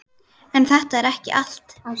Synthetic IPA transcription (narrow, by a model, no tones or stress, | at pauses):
ɛnθɛht̪aɛɾɛhcɪ̰ʔal̥t̪